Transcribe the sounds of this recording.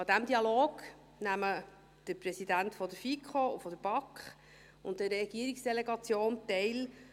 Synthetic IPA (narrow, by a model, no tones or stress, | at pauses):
ɑd̥̪æmd̪iɑloːɡ̥ | næmə | d̥əɾprɛsidæntfɔd̪əfikχoufɔdəɾb̥ɑkχ | ʊn̚dərːɛɡ̥iəɾiksd̥ɛleɡɑt͡sjoːnt̪ɛɪl